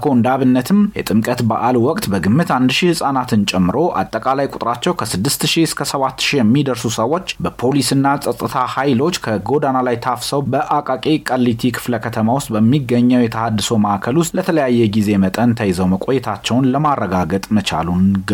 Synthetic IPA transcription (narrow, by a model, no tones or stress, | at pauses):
kʰond̪aβɨnːət̪ʰɨmjɛt̪ʼɨmkʼət̪ba̰ʔalwɔkʼt̪ʼbəɡɨmːɨt̪and̪ʃihɨsʼanat̪ʰɨnt͡ʃʼɛmːɨɾo̞ʔa̰t̪ʼːəkʼalajkʼʊt̪ʼɾat͡ʃːɛwkʰəsɨd̪ːɨst̪ʃiɪskʰəsəβat̪ːʃijɛmːid̪əɾsusəwːo̞t͡ʃːbəpʰo̞lisɨnːasʼət̪ʼːɨt̪ʰahajlo̞t͡ʃːkʰəɡo̞d̪analajt̪ʰafsəwbəʔakʼakʼikʼəlːit̪ʰikʰɨ̥fləkʰət̪ʰəmawʊst̪ʼbəmːiɡːəɲːəwjɛt̪ʰəhad̪ːɨso̞məʔakʰəlʊst̪lət̪ʰələjajːɛɡize̞mət̪ʼənt̪ʰəjzəwməkʼo̞jɛt̪ʰat͡ʃːɛwnləmarːəɡaɡət̪ʼmət͡ʃa̰lunɡ